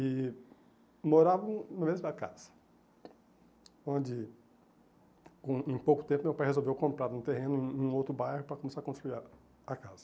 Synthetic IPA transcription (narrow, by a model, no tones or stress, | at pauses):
ɪ | moɾavɐ̃w̃nʊmezʊd̪ɐka̰zɐ̥ | õd͡ʒɪ | kõẽj̃powkʊ̥t̪ẽmpʊmewpajhezowvewkõmpɾaɾũt̪eɦẽnʊẽũowt̪ɾʊbajhʊpɾɐkõmesaɾɐkõst̪ɾuiɾ | ɐkazɐ